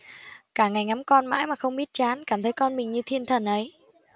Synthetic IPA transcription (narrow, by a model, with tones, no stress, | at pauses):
kaː˧˩ŋa˨˩jŋa˨˦mkɔ˧nma̰ː˧˥jmaː˨˩xə˧wŋ͡mɓi˦˥t̚t͡ɕaː˨˦nkaː˧˩mt̪ʰə˨˦jkɔ˧nmï˨˩ŋ̟ɲɨ˧t̪ʰi˧ənt̪ʰə˨˩nʔə˨˦j